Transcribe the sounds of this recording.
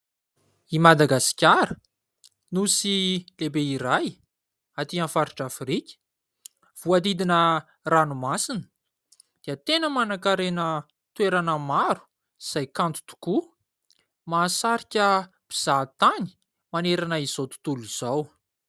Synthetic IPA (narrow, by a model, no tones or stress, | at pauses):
imad̪aɡasi̥kʲaɾə | nusilebeiɾaj | at̪iãnfaɾiʈ͡ʂafɾikʲi̥ | v̥uad̪id̪inə | ranumasinə̥ | d̪̥eət̪enəmanakaɾenə | t̪weɾanəmaɾu̥ | z̥ajkant̪u̥t̪u̥ku | maːsaɾikʲə | b̥iz̥at̪ani̥ | maneɾanəizot̪u̥t̪uluz̥aw